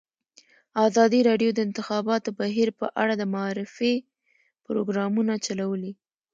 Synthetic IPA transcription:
ɑzɑd̪iɾɑɖjod̪əɪnt̪ɪxɑbɑt̪obaɦiɾpəʔaɽad̪əmaɑɾɪfe | pɾoɡɾɑmunat͡ʃalawəli

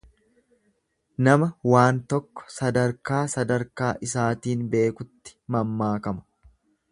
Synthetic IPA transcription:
nɐmɐwaːnt̪ɔkːɔ̥sɐd̪ɐɾkaːsɐd̪ɐɾkaːʔɪsaːt̪iːnbe̞ːkʊt̪ːɪ̥mɐmːaːkɐmɐ̥

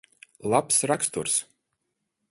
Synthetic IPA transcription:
lˠapsɾakst̪uɾs

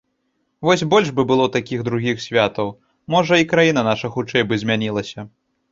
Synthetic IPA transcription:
vɔsʲbɔlʲʐbɨbɨlˠɔt̪akʲiɣd̪ɾuɣʲixsʲvʲat̪ɐw | mɔʐɐikɾajin̪ɐnaʂɐxut͡ʂɛjbɨzʲmʲanʲilˠɐsʲɐ

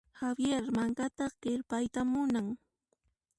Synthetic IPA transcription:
xawjeɾmaŋkat̪ɑɢ̥ɪɾpajt̪amʊnaŋ

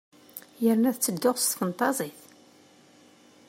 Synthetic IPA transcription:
jəɾnæðt͡sːəd̪ːʊʁst̪fənt̪ˤɑzˤiθ

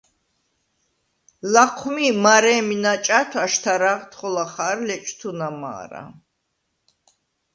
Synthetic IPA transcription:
laqʰmimaɾɛːminat͡ʃʼat̪ʰaʃt̪ʰaɾaʁt̪χɔlaχaːɾlɛt͡ʃʼt̪ʰunama̰ːɾa̰

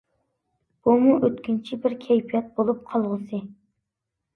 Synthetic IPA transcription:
b̥umuʔøt̪kʲynt͡ʃʰibɪɾkʲʰɛjpʰijɛt̪̚bolˠup̚qʰɑlˠʁəsɨ

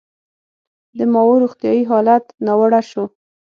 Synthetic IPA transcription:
d̪əmɑwoɾoxt̪jɑjiɦɑlat̪nawəɽaʃo

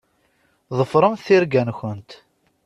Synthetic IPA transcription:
ðˤəfɾˤəmθiɾɡænçʊnt̪

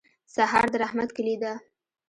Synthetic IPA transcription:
saɦɑ̰ɾd̪əɾahmat̪kəlid̪a

